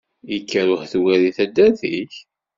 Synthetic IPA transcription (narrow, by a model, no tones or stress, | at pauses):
ikːəɾʊhθwæɾiθæd̪æθiç